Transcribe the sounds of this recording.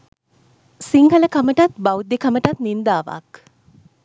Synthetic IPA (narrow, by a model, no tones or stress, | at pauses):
siŋɡələkaməʈat̪bawd̪ekaməʈat̪nind̪aːʋa̰k